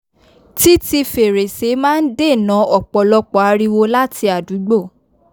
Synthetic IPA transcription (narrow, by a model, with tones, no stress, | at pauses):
ti˦ti˧fe˨ɾe˨se˨˦mãː˦n̩˦de˦˨nã˨˦ɔ˨k͡pɔ˨lɔ˧k͡pɔ˨a˨˧ɾi˧wo˧la˦ti˧a˨du˨˦ɡ͡bo˦˨